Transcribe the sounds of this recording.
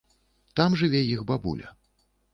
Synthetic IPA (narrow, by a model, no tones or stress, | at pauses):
t̪amʐɨvʲɛjixbabṵlʲɐ̰